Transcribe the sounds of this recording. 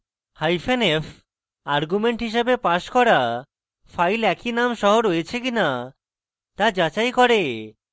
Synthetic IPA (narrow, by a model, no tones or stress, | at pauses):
hajfʰenef | aɾɡumeɳʈɦiʃ̬abepaʃkɔɾa | fajlɛkinamʃɔɦoɾojet͡ɕʰekina | t̪ad͡ʑat͡ɕajkɔɾe